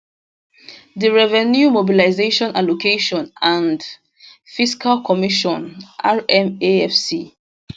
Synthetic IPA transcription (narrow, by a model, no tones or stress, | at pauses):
diɹɛvɛnjumobilaɪzeʃɔ̃nalokeʃɔ̃nãnd | fiskʰalkʰɔmiʃɔ̃nʔaɹɛ̃meɛfsi